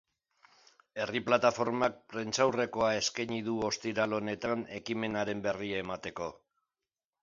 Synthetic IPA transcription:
e̞riplat̪afo̞ɾmak̚pɾe̞nt͡sawre̞ko̞ae̞skaɲiðuo̞st̪iɾalo̞ne̞t̪ane̞kime̞naɾe̞mbe̞riaemat̪e̞ko̞

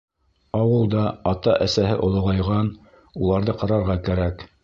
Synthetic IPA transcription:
ɑwɤlˠd̪ɑɑt̪ɑʔæsæɦɘʔŏlˠɤ̆ʁɑjʁɑn | ulˠɑɾðɤqɑɾɑɾʁɑkæɾæk

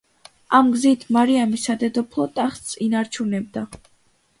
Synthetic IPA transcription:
amɡzit̪ʰmaɾiamisad̪ɛd̪ɔpʰlˠɔt̪ʼaχt̪sinaɾt͡ʃʰunɛb̚d̪a

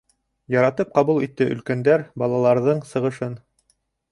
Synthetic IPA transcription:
jɑɾɑt̪ɤp̚qɑβulˠit̪ːɘʔɵ̆lkænd̪æɾbɑlˠɑlˠɑɾðɤɴsɤ̆ʁɤ̆ʃɤn

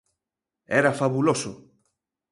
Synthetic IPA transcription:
ɛɾafaβulosʊ

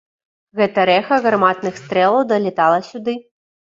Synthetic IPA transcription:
ɣɛt̪ɐɾɛxɐɣrmat̪nɨxst̪ɾɛlˠɐwd̪ɐlʲɛt̪alˠɐsʲud̪ɨ

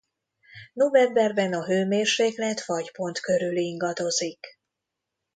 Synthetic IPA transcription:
no̞vɛmbɛrbɛnɒɦøːmeːrʃeːklɛt̪fɒɟpo̞nt̪kø̞ɾyliŋɡɒd̪o̞zik

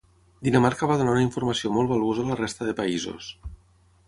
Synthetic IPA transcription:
d̪inəmaɾkəβ̞aðunaunəiɱfuɾməsiomɔlˠβəlˠozələrest̪əðəpaizo̰s

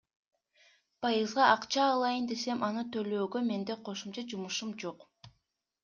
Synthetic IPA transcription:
pʰɑjɯzʁɑʔɑqt͡ʃɑːlˠɑjɯnd̪e̞se̞mʔɑnɯt̪ʰø̞løːɡø̞me̞nd̪eqʰo̞ʃumt͡ʃɑd͡ʒumuʃumd͡ʒo̞q

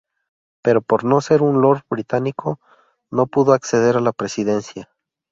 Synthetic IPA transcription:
pe̞ɾo̞po̞ɾno̞se̞ɾunlo̞ɾbɾit̪anikʰo̞ | no̞puðoakse̞ð̞e̞ɾalapɾe̞siðe̞nsja

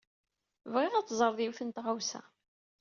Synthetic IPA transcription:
vʁɪʁæt͡sːzˤəɾˤðˤjiwθənt̪ʁawsæ̰

